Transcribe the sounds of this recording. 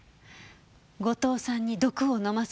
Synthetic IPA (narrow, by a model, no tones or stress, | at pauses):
ɡo̞t̪o̞ːsãɲ̟ːid̪o̞kɯ̟onomas